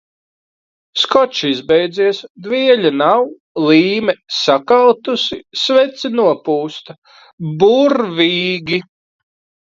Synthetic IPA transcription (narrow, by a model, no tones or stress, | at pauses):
skɔt͡ʃizbɛjd̪ziɛsd̪viɛʎʲanaw | lˠiːmɛsakalˠt̪usisvɛt̪sinuɔpuːst̪a | buɾviːɡʲi